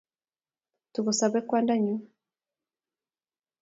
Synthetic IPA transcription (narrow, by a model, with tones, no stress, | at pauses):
tu˨ɣu˨sa˨βɛ˦kwa˦nda˦ɲu˦